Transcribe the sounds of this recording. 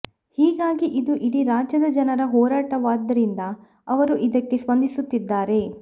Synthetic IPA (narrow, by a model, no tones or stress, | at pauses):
hiːɡaːɡiʔid̪uʔiɽiɾaːd͡ʒɐd̪ɐd͡ʒɐnɐɾɐɦɔːɾaːʈɐʋaːd̪ːɐɾind̪ɐ | ɐʋɐɾuʔid̪ɐkːe̞sʋɐnd̪ʱisut̪ːid̪ːaːɾe̞